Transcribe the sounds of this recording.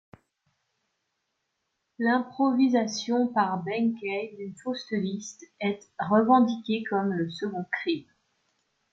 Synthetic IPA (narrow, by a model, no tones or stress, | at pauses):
lɛ̃pχɔvizasjɔ̃paʁbɛŋkʲɛjd̪ynfost̪əlist̪ɛt̪ʁəvɑ̃d̪ikʲekɔmləsəɡɔ̃kχim